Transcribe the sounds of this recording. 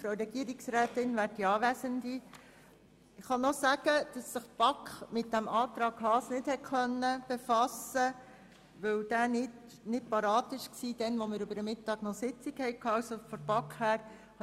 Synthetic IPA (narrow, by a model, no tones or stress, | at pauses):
fɾoʊɾɛɡiəɾiksɾæːtɪnʋæːɾdiɑːʋæsəndi | ɪχɑnɔsæɡ̥əd̥ɑsːəχb̥ɑkχmɪt̚d̥æmʔɑːt̪ɾɑːɡhɑːsnɪthɛtkœnːəb̥efɑsə | ʋɵwd̥æːnɪt | nɪt̚pɑɾɑːtɪʃksiːd̥ɛnʋɔməɾʉbəɾəmɪtːɑːɡ̥nɔsɪt͡sikhɛɪkʰɑːɑʊsofɔɾbɑkχhæːɾ | h